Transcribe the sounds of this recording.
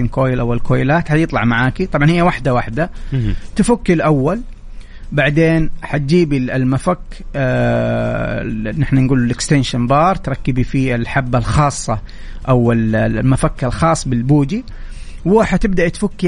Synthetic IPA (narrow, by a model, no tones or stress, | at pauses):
imkoːjɪlʔawɪlkoːjɪlaːt̪ħajɨt̪ˤlɑʕmaʕaːkit̪ˤɑbʕɑnhɪjːawaħd̪awaħd̪at̪ɪfʊkːilʔawːal | baʕd̪eːnħat̪̚d͡ʒiːbiɪlmafakː | nɪħnanɡuːlɪlʔɪkst̪ɪnʃanbɑːɾˤt̪ɾˤɑkːɪbifiɪlħabːalxɑːsˤːɑ | ʔawɪlmafakːalxɑːsˤːbɪlbuːd͡ʒi | wɪħat̪ɪbd̪aʔt̪fʊkːi